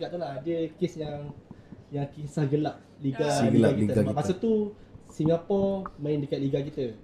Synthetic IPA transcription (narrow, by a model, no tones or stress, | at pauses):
kaʔ̚t̪ulaadəkesjaŋ | jaŋkisahɡəlaʔ̚liɡalilaakiɡabasət̪usimapɔmãɪndəkat̪̚liɡakit̪ə